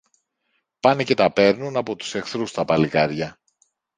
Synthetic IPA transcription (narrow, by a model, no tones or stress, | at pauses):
pɐnece̞t̪ɐpe̞ɾnunɐpo̞t̪u̥se̞xθɾust̪ɐpɐlikɐɾʝɐ